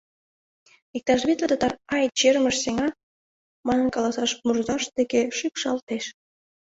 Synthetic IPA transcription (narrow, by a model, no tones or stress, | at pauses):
ik̚t̪ɑʒβit̪lʲet̪ət̪ɑrɑjt͡ɕerməʃseŋɑ | mɑnə̆nkɑlɑsɑʃmurzɑʃd̪ekeʃypʃɑlt̪eʃ